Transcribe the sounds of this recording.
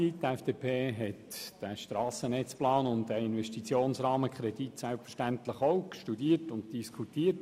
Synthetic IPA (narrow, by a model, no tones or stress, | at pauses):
itɛfd̥eːpʰeːɦɛtd̥æʃtɾɑːsənɛt͡splɑːnʊntdæɪnʋɛʃtit͡sjoːnsɾɑːməkʰχɾɛd̥itsɛlpfə̥ʃtæntləχoʊkʃtudiːərtʊntd̥iskʰutiːət